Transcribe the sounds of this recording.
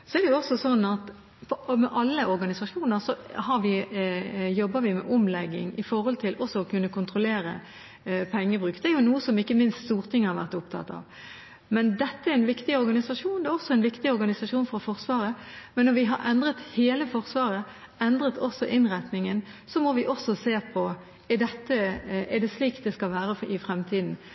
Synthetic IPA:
sɔɛɾd̪ɛjʊɔsɔsɔnːɑt̪ | pʰɔmɛʔɑlːəʔɔɾɡɑnɪsɑʂuːnəɾsɔhɑɾʋɪ | jɔbːəʋɪmɛ̰ʔɔmlɛɡːɪ̰ŋɪfɔɾhɔlt̪ʰɪlʔɔsːɔɔkʉnːəkʰʊnt̪ʁɔleːɾə̰ | pʰɛŋːəbʁʉːkd̪ɛæɾjʊnuːəsɔmɪkːəmɪnst̪st̪uːʁt̪ʰɪŋːhɑɾʋæ̰ʁt̪ʊpt̪ʰɑ̰t̪ːɑ̰ːʋ | mɛnd̪ɛt̪ːəæɾɪnʋɪkt̪ɪɔɾɡɑnɪsɑʂuːnd̪ɛæɾɔsɔɛɪnʋɪkt̪ɪɔɾɡɑnɪsɑʂuːnfɔɾɔfɔɾsʋɑːɾəmɛnːɔɾʋɪɦɑɾʔɛnd̪ʁət̪heːləfɔɾsʋɑːɾə | ɛnd̪ɾət̪ʰɔsːɔʔɪnʁæt̪nɪŋənsɔmɔʋɪʔɔsːɔseːpʰɔ | ɛd̪ɛt̪ːəɛd̪ɛsliːkt̪̚d̪ɛskɑlʋæːɾəɪfɾɛmt̪ʰiːd̪n̩

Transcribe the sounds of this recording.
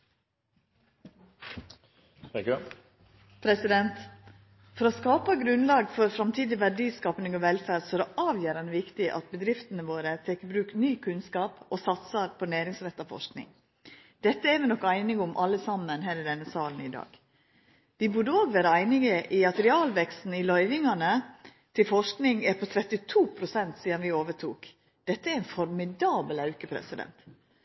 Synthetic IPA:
pʰɾɛsɪd̪ɛnt̪ | fɔɾɔskɑːpɑɡɾʉnlɑːɡfɔɾfɾɑmt̪ʰiːd̪ɪʋæɖiːskɑːpnɪŋɔʋɛlfæːɾsɔɛɾɔʔɑːʋjøːɾənʋɪkt̪ɪʔɑ̰t̪̚bəd̪ɾɪft̪ənəʋoːɾət̪ʰɛkːəbɾʉːknyːkʰʉnskɑːposɑt̪sɑɾpʰɔnæːɾɪŋsɾɛt̪ːɑʋfɔ̰ʂknɪ̰ŋ | d̪̥ɛt̪ːəɛɾʋɪnɔkːæɪnɪɡʊmʔɑlːəsɑmːənɦæːɾɪd̪ɛnːəsɑːln̩ɪd̪ɑ̰ːɡ | d̪ɪbʉɖəoːɡʋæːɾəæɪnɪɡəʔɪɑt̪əɾɪɑːlʋɛkst̪n̩ɪlœʏʋɪŋɑnə | t̪ʰɪlfɔʂknɪŋæpʰɔt̪ʰɾɛt̪ːɪt̪ʰuːpʰɾʊsɛnt̪siːd̪ɑnʋɪoːʋəʈʰuːk | d̪̥ɛt̪ːəæɾɪnfɔɾmɪd̪ɑːbəlɑʉkəpʰɾɛ̰sɪd̪ɛ̰nt̪

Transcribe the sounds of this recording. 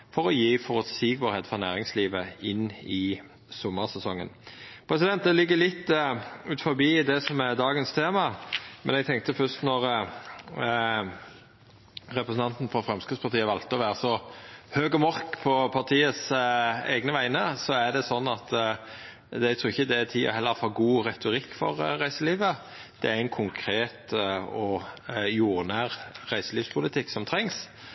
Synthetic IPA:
fɔɾɔjiːfɔʁɔt̪siːɡbəɾhɛːd̪fɔʁnæːɾɪŋsliːʋəɪnːɪ | sʊmːəɾsɛsɔŋːə̰npʰɾɛsɪd̪ɛnt̪̚d̪ɛlɪɡːəlɪt̪ːʉːt̪fɔɾbiːd̪ɛsɔmæd̪ɑːɡənst̪ʰeːmɑmɛnɛɡ̚t̪ʰɛŋkt̪əfœst̪nɔʁ | ɾɛpɾəsn̩t̪ɑnt̪n̩fɔfɾɛmskʉspɑɾt̪iːəʋɑlt̪əɔʋæːɾəsɔhøːɡɔmɔʁkpʰɔpʰɑt̪ʰiːəsḛːɡnəʋæɪnəsɔæɖ̪ɛsɔnːɑt̪ | æɡt̪ʰɾuːɪçəd̪ɛt̪ʰiːɔ̰hɛlːəɾfɑːɡuːʁɛt̪ʊɾɪkːfɔ̰ʁɾæɪsəliːʋə | d̪̥ɛæɾæɪnkʰʊŋkʰɾeːt̪ɔjuːɾnæːʁʁæɪsəliːʋspʰʊlɪt̪ʰɪkːsɔmt̪ʰɾɛŋs

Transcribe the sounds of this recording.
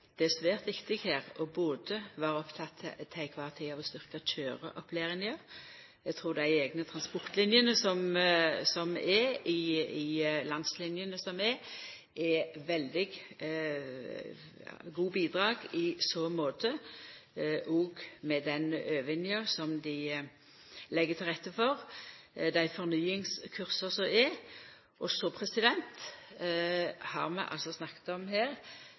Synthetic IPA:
d̪̥ɛæsʋæːʁt̪ʋɪkt̪ɪɡhæːʁɔboːd̪əʋɑːɾɔpt̪ʰɑt̪ʰːt̪ʰːɛɪkʰʋɑt̪ʰɪɑʋɔst̪ʏʁkɑtʰøːɾə̰ʔɔpʰleːʁɪnjəɾ | ɛɡt̪ʰɾuːɾd̪æɪɛːɡnət̪ʰʁɑnspɔʁt̪lɪnjənəsɔmsɔmɛɪɪlɑnd̪slɪnjənəsɔmɛ | ʔɛʋɛld̪ɪɡ | ɡuːbiːd̪ʁɑːɡɪsɔmoːt̪ʰə | ʔɔːɡmɛd̪ɛnʔøːʋɪnjəsɔmd̪ɪ | lɛɡːət̪ʰɪlʁɛt̪ːəfɔʁ | d̪æɪfɔʁnyːɪŋskʰʉʁsəsɔmɛ | ʔɔsɔpʰʁɛsɪd̪ɛnt̪ | hɑ̰ʁmɛ̰ʔɑ̰lsɔsnɑkːə̥t̪ɔmɦeːʁ

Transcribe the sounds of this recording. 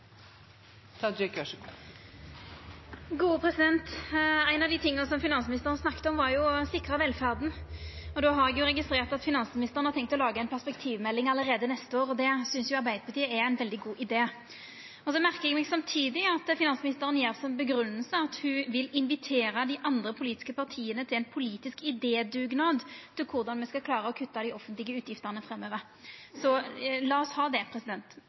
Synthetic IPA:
t̪ʰɑɪkɑ | ɡuːəpʰʁɛsɪd̪ɛnt̪æɪnɑʋd̪it̪ʰɪŋːənəsɔmfɪnɑnsmɪnɪst̪əʁənsnɑkːt̪əɔmʋɑʁjʊsɪkːʁɑʋɛlfæʁd̪n̩ɔd̪oːɦɑʁɛɡjʊʁɛɡɪst̪ʁeːʁt̪ɑt̪fɪnɑnsmnɪst̪əʁənhɑt̪ɛŋk̚t̪ɔlɑːɡəæɪnpʰæʁspɛkt̪ʰiːʋmɛlːɪŋɑləɾeːd̪ənɛst̪əoːʁɔd̪ɛsʏnsjʊɑɾbæɪd̪əpʰɑt̪ʰiːəɛæɪnʋɛld̪ɪɡuːʔɪd̪eː | ɔsɔmæʁkəʁɛɡmɛːɡsɑmt̪ʰiːd̪ɪɑt̪fɪnɑnsəmɪnɪst̪əʁənjeːʁsɔmbəɡɾʉnːəlsəɑt̪hʉʋɪlɪnʋɪt̪ʰeːɾəd̪iʔɑnd̪ʁəpʰʊliːt̪ɪ̥skəpɑʁt̪ʰiːənət̪ʰɪlɛnpʰʊliːt̪ɪskɪd̪eːd̪ʉːɡnɑːd̪t̪ʰːɪlkʰʊʁd̪ɑnmɛskɑkʰlɑːʁəɔkʰʉt̪ːɑd̪ɪɔfːənt̪lɪɡəʉːt̪jɪft̪əʁnəfɾɛmøːʋəʁ | sɔlɑːɔshɑːd̪ɛpʰʁɛsɪd̪ɛnt̪

